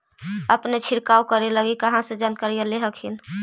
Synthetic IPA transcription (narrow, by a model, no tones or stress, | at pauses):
əpnet͡ʃʰɪɾkaukəɾeləɡikəɦãsẽd͡ʒankaɾijəleɦəkʰɦin